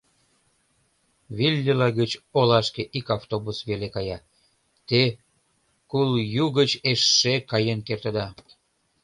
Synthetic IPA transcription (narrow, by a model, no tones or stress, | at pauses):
βilʲːilɑɣət͡ɕolɑʃkeʔikɑft̪oβusβelekɑjɑ | t̪e | kuljuɣət͡ɕeʃːekɑjənkert̪əd̪ɑ